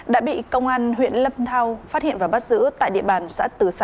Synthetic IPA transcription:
ɗa̰ː˧˥ɓḭ˧˨kə˧wŋ͡mʔaː˧nɦwḭ˧˨ənlə˧mt̪ʰaː˧wfaː˦˥t̚hḭ˧˨nvaː˨˩wɓa˦˥t̚zɨ̰˧˥ət̪a̰ː˧˨jɗḭ˧˨əɓaː˨˩nsa̰ː˧˥t̪ɨ˨˩sa˧

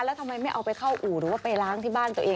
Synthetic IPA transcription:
lːt̪ʰa˧mːa˧jma˥˩jʔa˧wpa˧jkʰa˥˩wʔuː˨˩ɾɯː˩˦waː˥˩pa˧jlaː˦˥ŋt̪ʰiː˥˩baː˥˩nt̪u˧əʔeː˧

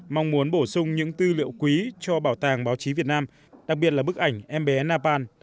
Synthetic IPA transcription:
ma˧wŋ͡mmu˨˦ənɓo˧˩sʊ˧ŋ͡mɲɨ̰˧˥ŋt̪ɨ˧lḭ˧˨ə˨wkwi˨˦t͡ɕɔ˧ɓaː˧˩wt̪aː˨˩ŋɓaː˨˦wt͡ɕi˨˦vi˨˩ət̚naː˧m | ɗa˨˩k̚i˨˩ət̚laː˨˩ɓk̚ʔa˧˩jŋ̟ʔɛ˧mɓɛ˨˦naː˧paː˧n

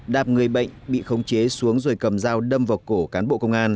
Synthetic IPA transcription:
ɗaː˨˩p̚ŋɨ˨˩əjɓə̰˧˨jŋ̟ɓḭ˧˨xə˧wŋ͡mt͡ɕe˨˦su˨˦əŋzo˨˩jkə˨˩mzaː˧wɗə˧mvaː˨˩wko˧˩kaː˨˦nɓo̰˧˨kə˧wŋ͡mŋʔaː˧n

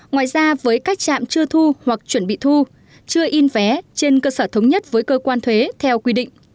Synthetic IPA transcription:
ŋwa̰ː˧˨jzaː˧vəː˨˦jkaː˦˥k̚t͡ɕa̰ː˧˨mt͡ɕɨ˧ət̪ʰu˧hwa˨˩k̚t͡ɕwə˧˩nɓḭ˧˨t̪ʰu˧ | t͡ɕɨ˧əʔi˧nvɛ˨˦t͡ɕe˧nkəː˧səː˧˩t̪ʰə˨˦wŋ͡mɲə˦˥t̚vəː˨˦jkəː˧kwaː˧nt̪ʰwe˨˦t̪ʰɛ˧wkwi˧ɗḭ̈˧˨ŋ̟

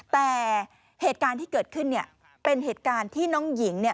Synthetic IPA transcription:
t̪ɛː˨˩ | heː˨˩t̪̚kaː˧nt̪ʰiː˥˩kɤː˨˩t̪̚kʰɯ˥˩nːi˥˩ɐ | pe˧nheː˨˩t̪̚kaː˧nt̪ʰiː˥˩nɔː˦˥ŋji˩˦ŋni˥˩ɐ

